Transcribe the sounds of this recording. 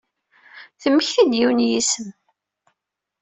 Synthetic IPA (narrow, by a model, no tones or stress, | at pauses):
θəmːəçθid̪jiwnjisəm